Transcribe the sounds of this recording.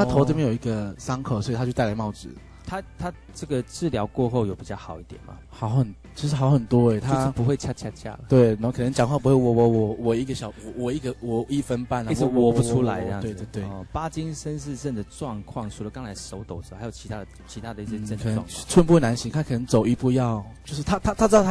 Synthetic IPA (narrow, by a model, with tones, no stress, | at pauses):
t̪ʰa˥tʰo˧˥ʊ˥˩bjjo˨˩i˧ɡə˨sɑ˥ŋkʰo˨˩ʊswɔ˧˥i˨˩a˥t͡ɕjo˥˧t̪a˥˩la˧˥ɪmɑ˥˩ʊt͡sɹ̩̰˨˩˦ | t̪ʰa˥t̪ʰa˥ | ʈ͡ʂə˥˩ɡə˩t͡sɹ̩˥˩ljɑ˧˥ʊkwɔ˥˧xo˥˩ʊjo˨˩ʊpi˨˩t͡ɕjɑ˥˩ʊxɑ˨˩ʊi˥˩t̪jɛ̰˨˩nmɐ̰˨˩xɑ˧˥ʊxə˨˩n | t͡ɕʰʂɻ̩˥˩xɑ˧˥ʊxə˨˩nt̪wɔ˥e˨˧˦t̪ʰa˥˧˦ʂʂ̩˥˩pu˧˦xwe˥˧ɪt͡ɕʰja˥t͡ɕʰja˥˩t͡ɕʰja̰˥˩lə˩t̪we˥˩ɪ˥˩kʰɤ˨nə˧˦ŋt͡ɕjɑ˨ŋxwɑ˥˩p̬u˥xwe˥˩wɔ˨˩wɔ˧˥wɔ˨˩wɔ˨˩i˧˥ɡə˨ɕjɑ˨˦ʊwɔ˨wɔ˨˩i˥˩ɡə˨wɔ˨˩i˥˩fə˦npa˥˩n˨˥wwɔ˨˩u˧˦ʈ͡ʂʰu˥la˧˦ɪ̰˧˥˧we˥˧t̪we˥˩t̪we˥˨˩pa˥t͡ɕi˥nʂə˦˥nʂɻ̩˥˧ʂə˥˩nd̪ə˩ʈ͡ʂwɑ˥˧ŋkʰwɑ˥˨˩ŋʂʰu˨˥lə˨˦kɑ˦˥ŋt͡sʰa˧˥ɪʂo˧ʊt̪o˨ʊʈ͡ʂ̩˧˥˨jo˨˩ʊt͡ɕʰi˧˥t̪ʰa˥d̪ə˨t͡ɕʰi˧˥t̪ʰa˦˥d̪ə˨i˥˩ɛ˥˧ə˥˧nʰk̪ʰːŋ˥˩ʈ͡ʂʰwnpu˥we˥˩na˧˦nɕi˧˥ŋt̪ʰa˥kʰɤ˨˩nə˧˥ŋt͡so˨˩ʊi˧˥pu˧jɑ˥˩ʊt͡ɕjo˥˧ʊʂɻ̩˥˩t̪ʰa˥t̪ʰa˥a˥t͡s̩̪ʰ˥˧˩